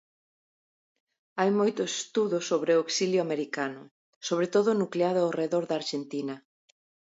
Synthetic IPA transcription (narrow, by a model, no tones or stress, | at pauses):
ajmojt̪ʊse̥st̪uðʊsoβɾeoksiljʊameɾikanʊ | soβ̞ɾet̪oðʊnukleaðʊawreðoɾðaːɾʃent̪inɐ